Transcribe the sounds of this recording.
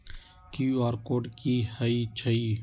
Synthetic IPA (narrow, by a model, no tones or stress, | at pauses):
kuːaːɾkoːɖkiːhəiːt͡ʃʰəiː